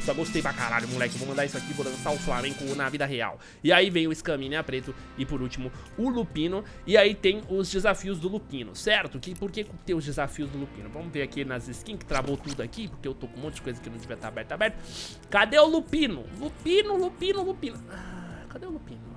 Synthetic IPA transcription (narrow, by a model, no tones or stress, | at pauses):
sɔɡost̪ejpɾaka̰ɾa̰ʎʊmulɛkɪevowmɐ̃d̪aisʊakipoɾõt̪aʊflamẽŋkʊnɐvid̪ɐɦea̰w | ɪaivẽj̃ʊɪskɐmĩnɪapɾet̪ʊ | ɪpoɾut͡ʃimʊ | ʊlupĩnʊ | ɪait̪ẽj̃ʊzd͡ʒɪzafiʊzd̪ʊlupĩnʊ̰sɛɾt̪ʊkɪpoɾkekt̪ẽj̃ʊzd͡ʒɪzafiʊzd̪ʊlupḭ̃nʊvɐ̃mʊveɾakinɐzɪskĩɲɐskɪ̥t̪ɾavot̪ud̪ʊakipoɾkeewt̪okõmõt̪ʊd͡ʒɪkojzɐskɪnɐ̃d͡ʒɪviɐt̪aɾabɛɾt̪ʊabɛɾt̪ʊ | kad̪eʊlupĩnʊ̰lupĩnʊlupĩnʊlupĩnʊakad̪ewlupĩnʊ